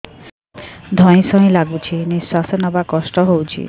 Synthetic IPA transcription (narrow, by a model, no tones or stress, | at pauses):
d̪ʱɔj̃sɔɦĩlaɡut͡ʃʰiniswasɔnɔbakɔsʈɔɦowt͡ʃʰḭ